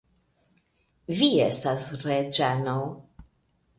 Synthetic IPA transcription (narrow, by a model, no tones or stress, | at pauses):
viestasɾed͡ʒɛnow